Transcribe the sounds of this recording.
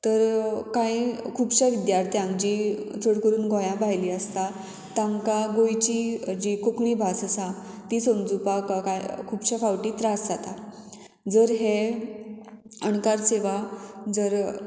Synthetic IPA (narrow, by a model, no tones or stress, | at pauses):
t̪əɾkãikʰuːbɕaʋid̪jaɾt̪ʰijãŋd͡ʑit͡sʰəɽkəɾuːnɡɔ̃jãbʱajliəst̪a | t̪ãŋkaɡojt͡ɕid͡ʑikokɳibʱasəsã | t̪isəmd͡zupakakajkʰuːbɕafawʈit̪ɾasd͡zat̪a | d͡zəɾɦe | ənkaɾseʋad͡zəɾ